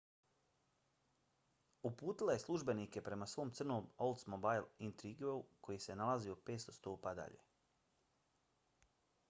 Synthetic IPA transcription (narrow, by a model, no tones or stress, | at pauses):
upuːt̪ilˠaje̞slˠuʒbe̞nike̞pɾe̞masʋo̞ːmt̪sr̩nomolˠt̪smobajlint̪ɾiɡeukʰo̞jise̞nalaziope̞ːt̪st̪o̞st̪oːpad̪a̰ʎe̞̰